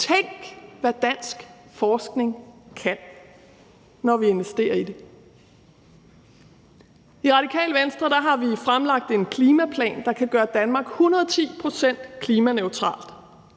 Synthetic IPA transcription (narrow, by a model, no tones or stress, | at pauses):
t͡sʰeŋ̰ɡ̥ʋæd̥æn̰sɡ̥fɒːsɡ̥ne̝ŋkʰæn | nɒʋie̝nʋesd̥e̝̰ːɐide̝ | iʁɑ̈ɾ̥ikʰɛ̰ːlʋensd̥ʁɐɾ̥ɑ̈ɦɑ̈ʋifʁamlɑ̈ɡ̥̚d̥e̝nkʰliːmæpʰlɛ̰ːnd̥ɑ̈kʰæɡ̥ɶːɐd̥ænmɑ̈ːɡ̥hunʁɐðˠt͡sʰḭːpʰʁo̝sen̰d̥kʰliːmæneʊt͡sʰʁɑ̰̈ːld̥